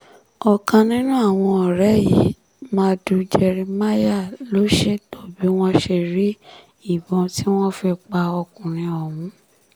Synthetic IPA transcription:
ɔ˨kã˧nĩ˦nũ˦a˦˨w̃ɔ̃˧ɔ˨ɾɛ˨˦ji˨˦ | mãː˧du˧d͡ʒɛ˧ɾĩ˧ma˦ja˦˨lo˨˦ʃe˦˨to˦˨bi˨˦w̃ɔ̃˦ʃe˧˨ɾi˦ | i˦˨bɔ̃˨˧ti˦w̃ɔ̃˦fɛ˧k͡pa˧ɔ˧kũ˨ɾ̃ĩ˧ɔ˨mũ˨˦

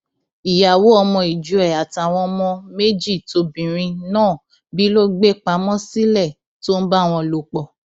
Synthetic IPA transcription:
i˨ja˨wo˨˦ɔ˧mɔ̃˧i˨d͡ʒu˨˦ɛ˨a˨ta˨w̃ɔ̃˧mɔ̃˧me˦d͡ʒi˦˨to˧˦bĩ˨ɾ̃ĩ˧nãː˦˨ | bi˦lo˦ɡ͡be˦k͡pa˨˦mɔ̃˦si˦lɛ˦˨ | to˦n̩˦ba˦˨w̃ɔ̃˧lo˧k͡pɔ˨

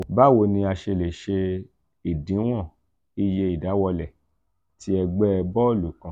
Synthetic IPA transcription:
ba˦˨wo˧nĩ˧a˧ʃe˧le˨ʃe˧ | i˨dĩ˨˦w̃ɔ̃˦˨ | i˧je˧i˨da˨˦wɔ˧lɛ˨ | ti˦ɛ˧ɡ͡bɛ˦˧bɔ˦˨lu˨kã˨

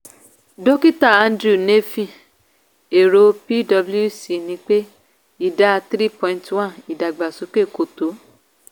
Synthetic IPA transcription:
do˦ki˦ta˦˨ã˧ndɾu˦˨ne˦fĩ˦˨ | e˨ɾo˧˦pi˦dɔ˧blu˦˨si˨nĩ˧˦k͡pe˦ | i˦˨da˨˦t̪ɾi˦pɔ̃˧ĩ˧twã˦ni˨da˨ɡ͡ba˨su˨˦ke˦˨ko˨to˨˦

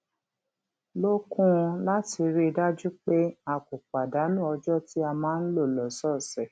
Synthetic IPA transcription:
lo˦kũ˦˧la˦ti˧ɾi˦˧da˦d͡ʒu˦k͡pe˦a˧ko˨k͡pa˨da˨˦nũ˦ɔ˧d͡ʒɔ˦ti˦a˧mãː˦n̩˦lo˦˨lɔ˨sɔ˦˨sɛ˨

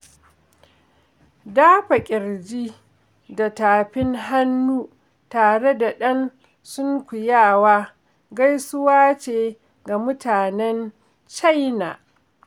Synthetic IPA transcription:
daː˦ɸa˨kʲʼɪ˨ɾd͡ʒi˦ | da˨taː˨ɸɪ˦ŋɦa˦nːuː˦ | taː˨ɽe˦da˨ɗɐ˦n | sʊ˦ŋkʷʊ˨jaː˦˨waː˦ | ɡa˦jsʊ˦waː˦t͡ʃeː˨ | ɡa˨mʊ˦tʰaː˨nɛ˦n | t͡ʃa˦jnaː˨ʔ

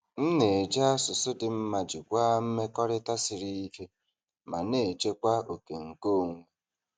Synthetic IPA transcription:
n̩˦ne˨d͡ʒa˦a˦sʊ˨sʊ˦dɪ˨m̩˦ma˨d͡ʒɪ˨kʷa˦m̩˦me˦kɔ˦ɾɪ˦ta˦sɪ˨ɾi˦i˦ke˦ | ma˨ne˨e˨t͡ʃe˦kʷa˦o˨ke˨ŋ̩˨ko˦˨ŋʷe˨

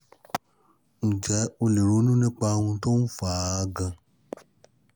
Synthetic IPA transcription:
ñ̩˨d͡ʒɛ˨˦o˧le˨ɾu˨˦nũ˦nĩ˦k͡pa˧wũ˧to˦n̩˦faː˨˧ɡã˧

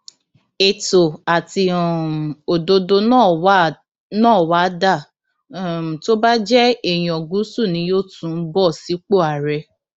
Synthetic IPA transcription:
e˨to˨a˨ti˧ɔ̃˨o˨do˧do˧n˦˨˦ | nãɔ̃ː˦˨wa˨˦da˦˨ | to˦ba˦d͡ʒɛ˦e˦˨j̃ɔ̃˨ɡu˨˦su˦˨nĩ˧˦jo˦tũ˦˨˧bɔ˦˨si˨˦k͡po˦˨a˨ɾɛ˧

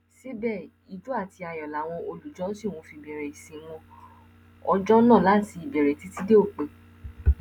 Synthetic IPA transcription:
ʃe˦bɛ˦˨ | i˨d͡ʒu˦a˦˨ti˧˦a˧˨jɔ˨la˨˦w̃ɔ̃˧o˧lu˨d͡ʒɔ̃˨˦si˦˨w̃ɔ̃˧fi˧bɛ˨ɾɛ˨i˨sĩ˨w̃ɔ̃˧ | ɔ˧d͡ʒɔ̃˦nã˦˨la˦˨ti˧i˨bɛ˨ɾɛ˨ti˨˦ti˦de˦o˦˨k͡pe˨

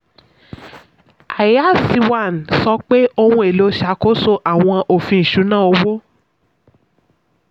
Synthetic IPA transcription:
a˨ja˨˦˨si˧wa˦˨n˨sɔ˧˦k͡pe˦o˧wũ˧e˨lo˨˧˦ʃa˨˧˦ko˦so˦ʔa˨w̃ɔ̃˧ʔo˨fĩ˧i˨ʃu˨˦nãː˦˨o˧wo˦

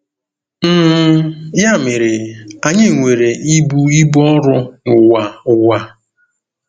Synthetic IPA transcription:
m̩˦ | ja˦˨mɪ˨ɾɪ˨a˨ɲɪ˦˨ŋʷe˨ɾe˨i˦bu˦i˦bɔ˦ɾʊ˦ŋʊ˨wa˨ʊ˨wa˨

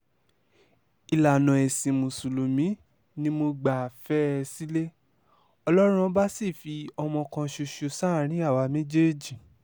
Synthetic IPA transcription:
i˨la˨nɔ̃˨e˨sĩ˨mũ˨su˨lu˨mĩ˨˦ | nĩ˧˦mo˧ɡ͡ba˨fɛ˦˧si˦le˦ | ɔ˧lɔ˦ɾ̃ũ˧˦ba˦si˦˨fi˧ɔ˧mɔ̃˧kã˧ʃo˧ʃo˧sã˦˨ɾ̃ĩ˨˦a˦˨wa˧mẽ˦d͡ʒe˦d͡ʒi˨

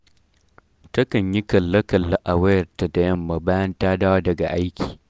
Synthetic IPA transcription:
tɐ˦kɐ˨ɲji˦kɐ˨lːɐ˦kɐ˨lːɐ˦ʔa˨wɐ˦jɐ˨rta˨da˨jɐ˦mːa˨baː˦jɐ˦ntaː˦da˦wa˦dɐ˨ɡa̰˨ʔa˦jkʲʰi̥ː˨

